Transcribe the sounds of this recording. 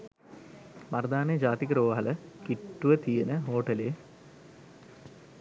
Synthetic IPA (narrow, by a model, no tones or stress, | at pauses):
mɐɾd̪aːned͡ʑaːt̪ikɐɾoːʋaɦɐləkiʈːuʋət̪ijənəɦoːʈɐleː